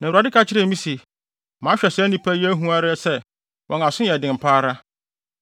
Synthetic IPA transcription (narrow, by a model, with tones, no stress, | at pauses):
nã˨a˨dɪ˦kʰa˦t͡ɕʰɪ˦ɾɛ˦mĩ˦si˨ | mãː˨˦ɕᶣɛ˨sɛ˦nĩ˦pʰæ˦jɛ˦æ˦ɦũ˦a˦ɾɪ˦ɛ˦sɛ˦ | wʔɔ̃˨ŋã˨sʊ̃˦jɛ˨dɪ̃˨m̩˨pʰaː˦ɾa˦